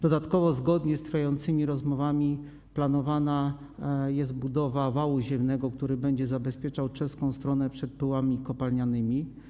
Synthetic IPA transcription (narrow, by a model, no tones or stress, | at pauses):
d̪ɔd̪at̪kɔvɔzɡɔd̪ɲɛst̪ɾfjajɔnt̪sɘmʲiɾɔzmɔvamʲi | planɔvana | jɛst̪bud̪ɔvavawuʑɛmnɛɡɔkt̪uɾɘbɛɲd͡ʑɛzabɛspʲjɛt͡ʂawt͡ʂɛskɔ̃w̃st̪ɾɔnɛpʂɛt̪̚pɘwamʲikɔpalɲanɘmʲi